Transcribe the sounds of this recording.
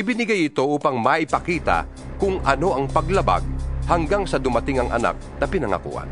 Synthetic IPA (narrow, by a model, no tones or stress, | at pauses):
ʔɪbɪnɪɡajɪt̪o̞ʔuːpɐŋmɐʔɪpɐkiːt̪a̰ | kʊŋʔɐno̞ʔɐŋpɐɡlɐba̰ɡ̚hɐŋɡaŋsɐd̪ʊmat̪ɪŋɐŋʔɐ̰na̰k̚nɐpɪnɐŋɐ̰kṵʔa̰n